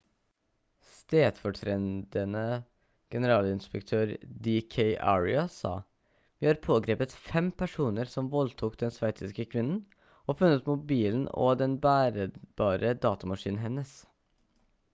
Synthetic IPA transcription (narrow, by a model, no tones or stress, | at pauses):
st̪eːd̪̥fɔʈʰɾɛnd̪ənə | ɡ̥ɛnəɾɑːlɪnspəkt̪ʰøːɾd̪ɪkʰeɪʔæ̰ɹɪ̰ɑsɑ̰ː | ʋiːhɑːɾpʰoːɡɾeːpət̪fɛmpʰæʂuːnəɾsɔmʋɔlt̪ʰuːkd̪ɛnsʋæɪt̪ɪskəkʰʋɪnn̩ | ɔːfʉnːət̪mʊt̚biːln̩ɔ̰d̪ɛnbæːɾəbɑːɾəd̪ɑːt̪ɑmɑʂiːnnɦɛnːəs